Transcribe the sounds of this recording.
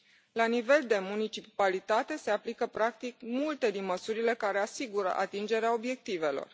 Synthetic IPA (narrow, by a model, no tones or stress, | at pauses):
lanive̞ld̪e̞munit͡ʃipalit̪at̪e̞se̞aplikəpɾak̚t̪ikmult̪e̞d̪inməsuɾile̞kaɾe̞asiɡuɾə̰ʔa̰t̪ind͡ʒe̞ɾeao̞bje̞k̚t̪ive̞lo̞̰r